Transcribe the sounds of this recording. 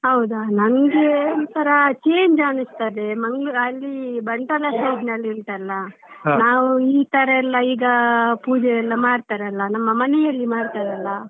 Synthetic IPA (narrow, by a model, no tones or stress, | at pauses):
ɦɐwd̪anɐŋɡet̪ɐɾɐt͡ʃeːɲd͡ʒaːnust̪ɐd̪emɐŋɡɭɐlːibɐɳʈɐlɐsɐjd͡ʒnɐlːiɾt̪ɐlːɐ | naːʋuiːt̪ɐɾɐɛlːɐiːɡɐpuːd͡ʒɛjɛlːɐmaːɽt̪aɾɐlːɐnɐmːɐmɐnɛjɐlːimaːɽt̪aɾɐlːɐ